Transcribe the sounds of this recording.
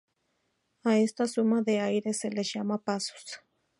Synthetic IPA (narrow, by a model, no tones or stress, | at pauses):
aest̪asumaðeajɾeseleʒamapaso̥s